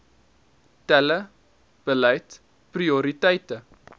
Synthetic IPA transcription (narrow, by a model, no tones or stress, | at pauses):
tɛlə | b̥əlɛjt | prioɾitəjtə